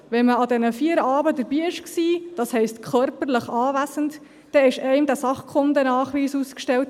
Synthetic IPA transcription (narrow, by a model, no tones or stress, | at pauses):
ʋɛnməɑdɛnəfiːəɾɑːbədəɾbiːɪʃksiːd̥ɑshɛɪstkʰœɾpəɾləχɑːvæsənt | d̥ɛɪʃɛɪmdæsɑχkχʊndənɑːχʋiːsuːskʃtɛlt̚